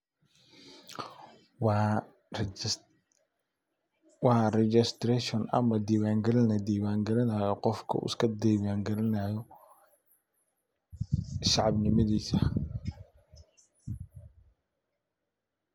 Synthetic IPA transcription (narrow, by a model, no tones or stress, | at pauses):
wɑrɛd͡ʒɪst̪ɾɛʃɔnɐ̰mɐd̪iːwaːŋɡɐlɪnɐd̪iːβaːŋɡɐlɪnaːjɔqɔfkʰɐ̰ʔʊ̰skʰɐd̪iːβaːŋɡɐɾɪnaːjɔ | ʃɑʕɑbnɪmɐðiːsɐ